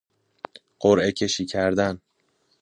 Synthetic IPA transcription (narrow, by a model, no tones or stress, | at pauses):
ɢ̥oɾʔe̞cʰe̞ʃiːcʰæɾd̪æn